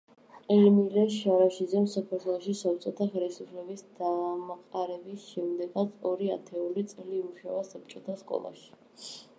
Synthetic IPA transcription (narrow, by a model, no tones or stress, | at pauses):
ɛɾmilɛʃaɾaʃid̪zɛmsakʰaɾt̪ʰwɛlˠɔʃisap̚t͡ʃʼɔt̪ʰaχɛlisupʰlɛbisd̪amaqʼaɾɛbisʃɛmd̪ɛɡat̪sʰɔɾia̰t̪ʰɛulit̪sʼɛliːmuʃavasap̚t͡ʃʼɔt̪ʰaskʼɔ̰lˠa̰ʃi̥